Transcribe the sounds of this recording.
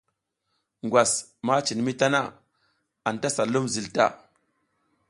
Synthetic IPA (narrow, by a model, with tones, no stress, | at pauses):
ŋɡʷwʷa˨s | ma˦t͡ʃi˨n˨mi˦ta˦na˦ | a˨n˨ta˦sa˨lu˦mzi˨lta̰˦˨